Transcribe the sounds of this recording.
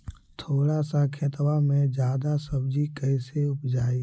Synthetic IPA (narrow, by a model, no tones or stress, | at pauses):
t̪ʰoːɽasakʰet̪wamẽd͡ʒjaːd̪asəbd͡ʒikəɪseʊpd͡ʒaːi